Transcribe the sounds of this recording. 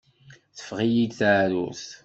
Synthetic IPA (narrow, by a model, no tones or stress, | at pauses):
θə̥fʁijid̪θaʕɾṵθ